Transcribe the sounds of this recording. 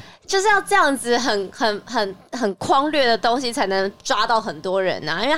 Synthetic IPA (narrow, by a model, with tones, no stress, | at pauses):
t͡ɕjo˥˧ʊʂɻ̩˥˧jɑ˥˧ʊʈ͡ʂɤ˥˧jɑ˥˩ŋd͡zɹ̩˨xə˨˩nxə˨˩nxə˨˩nxə˨˩nkʰwɑ˥ŋlɥɛ˥˩d̪ə˩t̪o˥ŋɕi˨˦t͡sʰa˧˥ɪnə˧˥ŋʈ͡ʂwa˥t̪ɑ˥˩ʊxə˨˩nt̪wɔ˥ɻə̰˧˦nɐ˧i˥wɛ˥˧˩